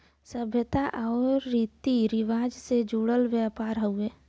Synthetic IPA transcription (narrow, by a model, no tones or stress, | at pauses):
səbʱjət̪aʔɔːɾːit̪iɾɪʋaːd͡ʒsed͡ʒuːɽəlʋjapaːɾɦəueː